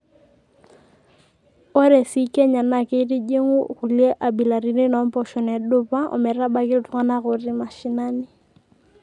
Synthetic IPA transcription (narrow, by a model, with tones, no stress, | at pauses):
o˦ɾɛ˨si˦kɛ˦ɲa˨na˨ke˦i˦di˦d͡ʒe˦ŋʊ˦ku˨liɛ˦ʔa˨bi˨la˨ɾi˦nɪ˦nɔ˨˦m˦pɔ˨ʃɔ˨nɛ˨dʊ˦pa˦ʔɔ̰˨mɛ˨ɾa˦ba˦kɪ˦ʊ˨tʊ˦ŋa˦na˦ɣʊ˨rɪ˦ma˨ʃi˨na˦nɪ˦